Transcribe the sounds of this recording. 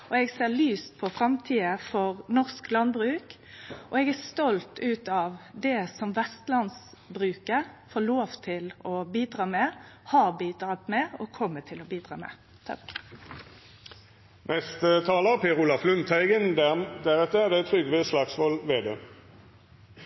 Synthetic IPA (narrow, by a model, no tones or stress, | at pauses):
ɔɛɡseːlyːst̪pʰɔfʁɑmt̪ʰiːəfɔʁnɔʁsklɑnbʁʉːk | ʔɔɛɡæʁst̪ɔlt̪ʉːt̪ɑʋd̪ɛsɔmʋɛst̪lɑnsbɾʉːkəfoːloːʋt̪ʰɪlɔbiːd̪ɾɑːmɛhɑbiːd̪ɾɑːt̪mɛɔkʰɔmːət̪ʰɪlɔbiːd̪ʁɑ̰ːmɛ̰ | t̪ʰɑk | nʔɛst̪ət̪ʰɑːləpʰeːʁʊlɑflʉnt̪æɪɡənd̪æd̪æʁɛt̪ːəd̪ɛt̪ʰʁʏɡʋeslɑːksʋɔlʋeːd̪eː